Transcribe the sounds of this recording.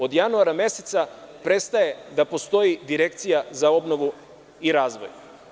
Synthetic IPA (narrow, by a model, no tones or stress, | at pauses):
o̞d̪januaɾamje̞set̪sapɾe̞t̪st̪aje̞d̪apo̞st̪o̞jid̪iɾe̞kt̪sijazao̞bno̞ʋu | iɾaːzʋo̞̰j